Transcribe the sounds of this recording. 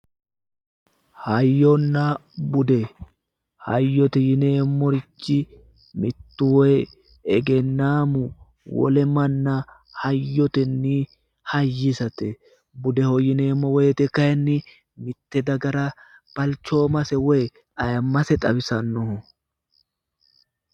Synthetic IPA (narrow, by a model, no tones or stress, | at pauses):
hɐjːɔnːɐbʊd̪ɛ | hɐjːɔt̪ɛjɪneːmːɔɾɪt͡ʃːɪ | mɪt̪ːʊwɔj | ɛɡɛnːaːmʊ | wɔ̰lɛmɐnːɐ | hɐjːɔt̪ɛnːi | hɐjːɪsɐt̪ɛ | bʊd̪ɛhɔjɪneːmːɔwɔjt̪ɛkːɐjɐnːɪ | mɪt̪ːɛd̪ɐɡɐɾɐ | b̥ɐlt͡ʃːo̞ːmɐsɛwɔj | ɐjɐmːɐsɛt̪ʼɐbɪsɐnːɔhʊ